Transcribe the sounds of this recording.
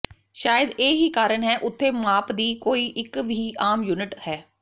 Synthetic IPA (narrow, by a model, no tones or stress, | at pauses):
ʃaːjəd̪eːɦiːkaːɾəɳɦɛːʔʊt̪ʰːeːmaːpd̪iːkoːiːʔɪkʋʱiːaːmjuːnɪʈhɛː